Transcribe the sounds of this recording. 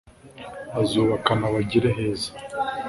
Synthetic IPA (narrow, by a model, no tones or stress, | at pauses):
azoːβakanaβaɟiɾeɦe̞ːzḁ